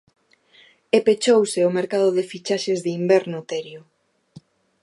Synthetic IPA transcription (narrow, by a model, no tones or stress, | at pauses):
epet͡ʃowsɪʊmeɾkaðʊðefit͡ʃaʃezðeimbɛɾnʊt̪ɛɾjʊ